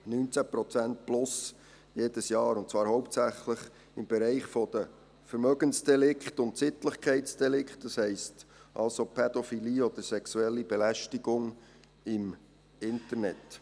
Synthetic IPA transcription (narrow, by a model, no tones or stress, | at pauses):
nyːnt͡sæpɾɔt͡sænt̚plʊs | jeːd̥əsjɑːɾʊntt͡svɑːɾhɔʊp̚tsæχləχ | ɪmb̥ɛɾɛɪχfɔd̪̥ə | fəɾmœɡənsd̥ɛlɪkχtʊntsit̪ləχkʰɛɪsd̥ɛlɪkχt̚d̥ɑshɛɪstʔɑlsopʰɛd̥̪ofiliːɔd̪̥əɾsɛksuɛlːib̥ɛlæʃtiɡ̥ʊŋ | ɪm | ɪntəɾnɛt